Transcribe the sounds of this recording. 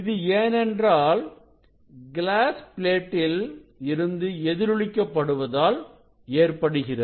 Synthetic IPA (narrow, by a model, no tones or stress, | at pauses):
ɪðɯeːnɛndraːl | ɡɪlaːspɪleːʈːɪlɪɾɯnd̪ɯɛðɪɾɯɭɪkːɐpːɐɽɯʋɐðaːl | eːrpɐɽɯɣɪrɐ